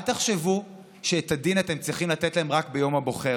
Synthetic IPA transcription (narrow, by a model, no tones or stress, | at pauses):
t̪eχʃevu | ʃeːt̪adinat̪e̞mt͡sʁiχimlatetlae̞mʁakbejo̞mabo̞χe